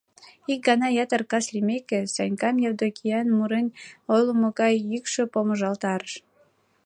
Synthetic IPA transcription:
ik̚ɡɑnɑjɑt̪ərkɑʃlʲimekesɑnʲkɑmjɑwd̪okʲʰiɑnmuɾenojlomoɣɑjːykʃøpoməʒɑlt̪ɑɾəʃ

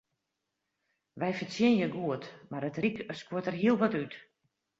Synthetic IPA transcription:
ʋɛjfəsjɪnjəɡuətmarətrikskwutərɦiəlˠʋɔtyt

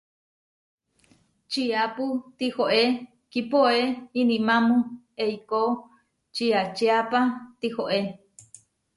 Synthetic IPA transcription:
t͡ʃiaput̪ihoʔe | kipoeinĩmamũ | eiko | t͡ʃiat͡ʃeapat̪ihoʔe

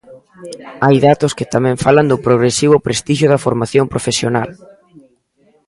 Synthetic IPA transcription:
ajðat̪ʊskɪt̪amɛ̃ɱfaland̪ʊpɾoɣɾesiβ̞ʊpɾest̪iʃjʊðɐfoɾmaθjompɾʔofesjona̰l

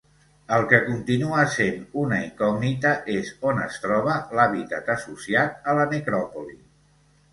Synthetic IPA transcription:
əlˠkəkunt̪inuəsenunəiŋkɔɡnit̪əʔezonə̰st̪ɾɔβ̞əlaβit̪at̪əsusiat̪̚ələnəkɾɔpuli

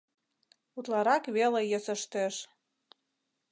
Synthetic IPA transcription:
ut̪lɑɾɑkβelejə̆sə̆ʃt̪eʃ

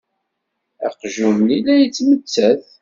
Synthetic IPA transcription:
æqʒumnilæjət͡sːmət͡sːæθ

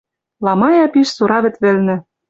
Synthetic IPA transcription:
lɑmɑjɑpiʃsuɾɑβɘ̆t̪βɘ̆lnɘ̆

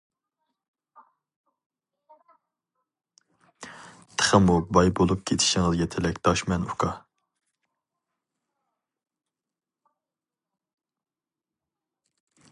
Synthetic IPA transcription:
t̪ʰə̥χəmubɑjbolˠup̚kʲʰet̪ʰɪ̥ʃɪŋɨzjɛt̪ʰɛlɛkʲd̪̥ɑʃmɛnukʰɑ

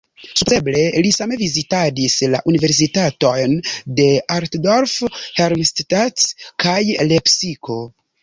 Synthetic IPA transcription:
supeble̞lisame̞vizitadisla̰ʔunive̞ɾs̬itato̞jnde̞aɾtdo̞ɾfheɾmisttaskajle̞psiko̞

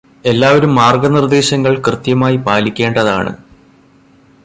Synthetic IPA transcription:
e̞lːaːʋɐɾumːaːrɡɐnird̪e̞ːɕɐŋːɐɭkrɨt̪jɐmaːjipaːlikʲːe̞ːɳɖɐða̰ːɳɨ̰

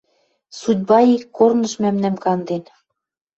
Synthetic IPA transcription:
sud̚ʲbɑikːornɤ̆ʃmæmnæmkɑnd̪en

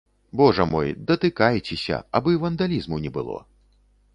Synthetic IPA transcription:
bɔʐɐmɔjd̪ɐt̪ɨkajt͡sʲɛsʲɐ̰abɨvɐnd̪alʲizmunʲɛbɨlˠɔ̰

